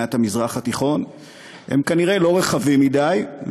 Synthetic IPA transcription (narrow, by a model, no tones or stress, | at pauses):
at̪hamizʁaχat̪iχo̞n | hḛmkaniʁe̞lo̞ʁeχavimːidajv